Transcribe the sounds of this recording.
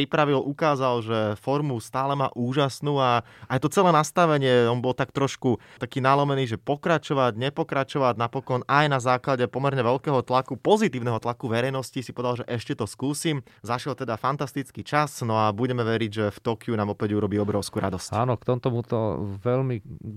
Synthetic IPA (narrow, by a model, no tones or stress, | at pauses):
ɾipɾaʋilʔukaːzalʒɛfɔɾmust̪aːlɛmaːʔuːʒasnuːa | ajt̪ɔt͡sɛlɛːnast̪aʋɛɲɪɛɔmbɔlt̪akt̪ɾɔʃkut̪akiːnalɔmɛniːʒɛpɔkɾat͡ʃɔʋaɟɲɛpɔkɾat͡ʃɔʋaɟnapɔkɔnajnazaːklaɟɛpɔmɛɾɲɛʋɛʎkɛːɦɔt̪lakupɔzit̪iːʊnɛɦɔt̪lakuʋɛɾɛjnɔscisipɔʋɛd̪alʒɛʔɛʃcɛt̪ɔskuːsimzaʃjɛlt̪ɛd̪afant̪ast̪it͡skiːt͡ʃasnɔabuɟɛmɛʋɛɾiɟʒɛft̪ɔkɪunaːmɔpɛɛɟuɾɔbiːɔbɾɔʊskuːɾa̰d̪ɔscaːnɔkt̪ɔmt̪ɔmut̪ɔ̰ʋɛlmi